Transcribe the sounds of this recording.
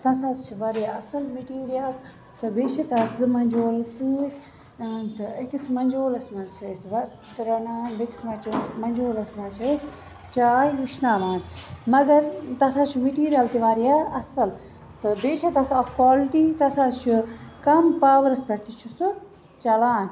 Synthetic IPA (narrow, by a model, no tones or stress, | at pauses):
t̪ɐt̪ʰazt͡ʃʰiʋɐɾjaɐsɐlmiʈiːɾijal | t̪ɨbeːt͡ʃʰɐt̪ɐzɨmɐnd͡ʒoːlsɨ | t̪ɨɐkismɐnd͡ʒoːlɐsmɐzt͡ʃʰɐsʋɐ | t̪ɾɐnaːbeki̥smɐt͡ʃʰimɐnd͡ʒoːlɐsmɐzt͡ʃʰɐis | t͡ʃaːjluʃnaːmaːnmɐɡɐɾt̪ɐt̪ʰaːt͡ʃʰimiʈiːɾijaːlt̪iʋaːɾjaːɾɐsɐl | t̪ɨbeːt͡ʃʰɐt̪ɐt̪ʰɐkpaːlʈit̪ɐt̪ʰazt͡ʃʰukɐmpaːʋɐɾɐspɐɽt̪it͡ʃʰusu | t͡ʃɐlaːn